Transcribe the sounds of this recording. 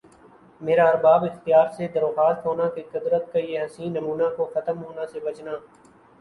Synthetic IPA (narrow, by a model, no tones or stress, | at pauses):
meːɾaɐɾbaːbɪxt̪jaːɾsed̪ɐɾxaːst̪ɦoːnakeqɪd̪ɾət̪̚kajeɦɐsĩːnːɐmuːnakoxɐt̪əmɦoːnasebɐt͡ʃnaː